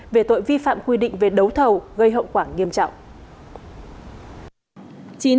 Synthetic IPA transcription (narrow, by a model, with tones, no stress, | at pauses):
ve˨˩t̪o̰˧˨jvi˧fa̰ː˧˨mkwi˧ɗḭ̈˧˨ŋ̟ve˨˩ɗə˨˦wt̪ʰə˨˩wɣə˧jɦə̰˧˨wŋ͡mkwaː˧˩ŋi˧əmt͡ɕɔ̰˧˨wŋ͡mʔ | t͡ɕi˨˦